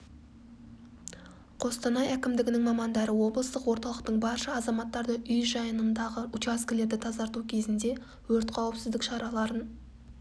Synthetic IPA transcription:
qʰo̞st̪ɑnɑjækʲɪmd̪ɪɡʲɪnɪŋmɑmɑnd̪ɑɾəwo̞blˠəst̪əqwo̞ɾt̪ɑlˠəqt̪əɴbɑɾʃəɑzɑmɑt̪ːɑɾd̪əʔʏjʒɑjənənd̪ɑʁəʊt͡ʃɑskʲɪle̞ɾd̪ɪt̪ʰɑzɑɾt̪ukʲʰe̞zɪnd̪e̞ | wɵɾt̪qʰɑwəpsɪzd̪ɪkʃɑɾɑlˠɑɾən

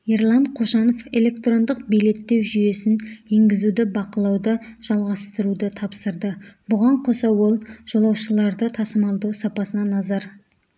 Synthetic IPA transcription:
eɾlˠɑɴqʰo̞ʃɑno̞fe̞le̞kt̪ro̞nd̪əqbijle̞t̪ːe̞wʒʏje̞sɪne̞ŋɡʲɪzud̪ɪbɑqəlˠɑwd̪əʒ̥ɑlˠʁɑst̪əɾud̪ət̪ʰɑpsəɾd̪əbʊʁɑɴqʰo̞sɑwo̞lˠʒ̥o̞lˠɑwʃəlˠɑɾd̪ət̪ʰɑsəmɑlˠd̪uwsɑpɑsənɑnɑzɑɾ

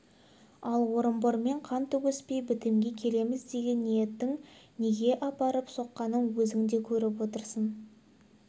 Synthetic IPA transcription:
ɑlˠwo̞ɾəmboɾme̞ɴqʰɑnt̪ɵwɵspe̞jbɪt̪ɪmɡʲe̞kʲʰe̞le̞mɪzd̪e̞ɡʲe̞nːije̞t̪ːɪŋne̞ɡʲe̞ʔɑpɑɾəpso̞qːɑnənwɵzɪŋd̪e̞kʲʰɵɾɪp̬wo̞t̪əɾsən

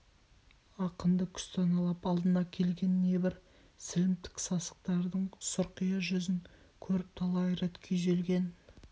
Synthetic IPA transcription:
ɑqənd̪əkʲʰʏ̥st̪ʰɑnɑlˠɑpɑlˠd̪ənɑkʲʰe̞lɡʲe̞nːe̞bɪɾ | sɪlɪmp̚t̪ɪ̥ksɑsə̥q̚t̪ɑɾd̪əɴsʊɾqijɑʒʏzɪŋ | kʲʰɵɾɪp̚t̪ʰɑlˠɑjɾet̪kʲʰeʒelɡʲe̞n

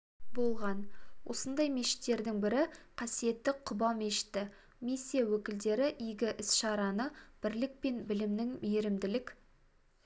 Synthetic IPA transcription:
bo̞lˠʁɑnwʔo̞̰sənd̪ɑjme̞ʃɪ̥t̪ːe̞ɾd̪ɪŋbɪɾɪqʰɑsije̞t̪ːɪqʰʊbɑlˠme̞ʃɪ̥t̪ːɪ | misːijawɵkʲɪld̪e̞ɾɪʔijɡʲɪʔɪsʃɑɾɑnəb̥ɪɾlɪk̚pe̞nbɪlɪmnɪŋmeɾɪmd̪ɪlɪkʲ

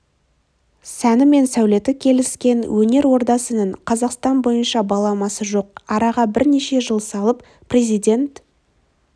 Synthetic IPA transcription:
sænɪme̞nsæwle̞t̪ɪkʲʰe̞lɪskʲe̞nwʔɵne̞ɾwo̞ɾd̪ɑsənəɴqʰɑzɑqst̪ɑnbo̞jənʃɑbɑlˠɑmɑsəʒo̞q̚ɑɾɑʁɑbɪɾne̞ʃe̞ʒəlˠsɑlˠəp | pʰːrʲe̞zijd̪ʲe̞nt̪

